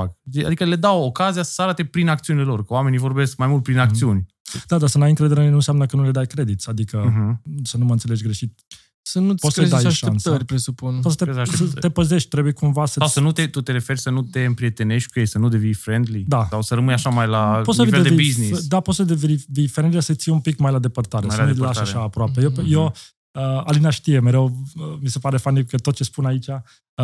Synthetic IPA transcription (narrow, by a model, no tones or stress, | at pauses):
ak̪ia̰d̪ikəle̞d̪awokazijasaɾat̪epɾinak̚t̪siunilelo̞rkəowamenijvo̞rbe̞sk̚majmult̪̚pɾinakt̪siunʲ | d̪ad̪asənajɨŋkɾed̪eɾenũnsjamnəkənule̞d̪ajkɾe̞d̪it̪sʲad̪ikəɦsənuməɨnt̪sele̞d͡ʒɡɾe̞ʃit̪̚ | sənupot̪səd̪aaʃaenst̪əɾʲpɾesupunpot̪sət̪eaəət̪e̞pəze̞ʃt̪̚ʲt̪ɾebujekumvasəsawsənut̪et̪ut̪e̞ɾe̞fe̞ɾʲsənut̪eɨmpɾie̞t̪e̞ne̞ʃt̪̚ʲkujejsənud̪evijfɾend̪lid̪asawsəɾəmɨnjaʃamajlaossəviveedeiiznisd̪apot̪səd̪evivifɾe̞nd̪lisət̪sijeumpikmajlad̪e̞pərt̪aɾeslaʃaʃaːpɾoapejeje | əalinaʃt̪ije̞meɾe̞wəmise̞paɾe̞fanikət̪ot̪̚t͡ʃe̞spunait͡ʃa